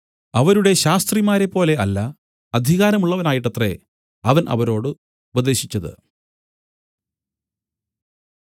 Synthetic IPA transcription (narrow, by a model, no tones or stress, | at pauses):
ɐʋɐɾuɽe̞ɕaːst̪rimaːɾe̞pːo̞ːle̞ɐlːɐ | ɐd̪ʱiɣaːɾɐmuɭːɐʋɐnaːjiʈːɐt̪re̞̰ | ɐʋɐnʔɐ̰ʋɐɾo̞ːɽɨ | ubɐd̪e̞ːɕit͡ɕːɐðɨ̰